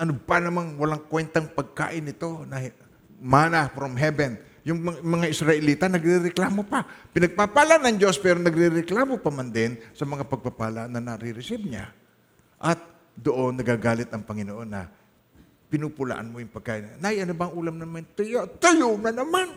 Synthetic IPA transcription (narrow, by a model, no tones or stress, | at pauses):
ʔɐnopanɐmanwɐlaŋkwɛnt̪aŋpɐɡ̚ka̰ːʔɪnːɪt̪o̞nɐ | maːnafɾomɦɛbɛn | jʊŋmɐmɐŋaʔɪsɾɐʔɪliːt̪anɐɡɾɪɾɛklaːmo̞papɪnɐɡ̚papaːlanɐŋd͡ʒo̞spɛːɾonɐɡɾɪɾɛklaːmo̞pɐmand̪ɪnsɐmɐŋapɐɡ̚papaːlaʔnːɐnɐɾɪɾɪsɪb̚ɲa̰ | ʔɐt̪̚ | d̪oʔo̞nːɐɡaːɡaːlɪt̪ɐŋpɐŋɪnoʔo̞nːɐ̰ | pɪnupʊla̰ʔa̰nmojʊŋpɐɡ̚kaːʔɪnnajʔɐnobaŋʔuːlamnɐmant̪ɐjot̪ɐjonɐnɐman